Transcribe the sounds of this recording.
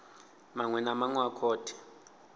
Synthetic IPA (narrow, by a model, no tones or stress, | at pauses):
maŋwɛnamaŋwakʰɔːtʰɛ̥